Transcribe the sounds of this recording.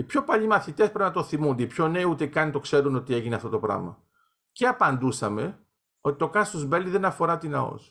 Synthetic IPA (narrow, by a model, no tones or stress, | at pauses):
ipço̞pɐʎimɐθit̪espɾenɐt̪oθimund̪eipço̞ne̞iut̪ekɐnit̪o̞kse̞ɾuno̞t̪ie̞ʝineɐft̪o̞t̪o̞pɾɐ̰mɐ̰ | ceɐpɐnd̪usɐme̞ | o̞t̪i̥t̪o̞kɐst̪ozbeliðenɐfo̞ɾɐt̪inɐ̰o̞̰s